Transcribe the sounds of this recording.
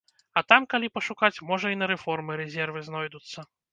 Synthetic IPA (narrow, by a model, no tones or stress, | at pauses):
ɐt̪amkalʲipɐʂukat͡sʲmɔʐɐinɐɾɛfɔrmɨɾɛzʲɛrvɨznɔjd̪ut̪sːɐ